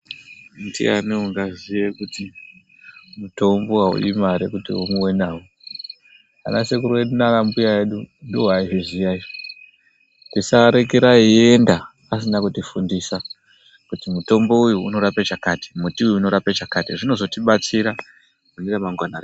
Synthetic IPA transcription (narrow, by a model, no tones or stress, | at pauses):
ndḭa̰niuŋɡazijekuti | muto̞mboɦaṵjimaɾekutḭumuwenaːwo | a̰na̰sekuɾenaɾambujaeɗundoɦaiɦiʐijai | tisaɾe̞keɾaie̞nda | as̬inakutifundisa | kutimuto̞mbo̞ujuuno̞ɾapet͡ʃakaːti̥mutiujuuno̞ɾapet͡ʃakatiʐino̞zo̞tiɓat͡siɾa | muniɾamaŋɡwanara